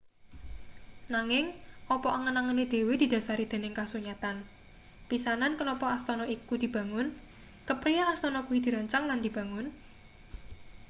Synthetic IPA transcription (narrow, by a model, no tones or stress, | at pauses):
naŋɪŋʔɔpɔʔaŋənaŋəned̪̥e̤wed̪̥i̤d̪̥ä̤saɾid̪̥e̤nɪŋkasuɲat̪an | pisanankənɔpɔast̪ɔnɔikud̪̥i̤b̥ä̤ŋʊn | kəpɾijaast̪ɔnɔkuwid̪̥i̤ɾaɲt͡ʃaŋland̪̥i̤b̥a̤ŋʊn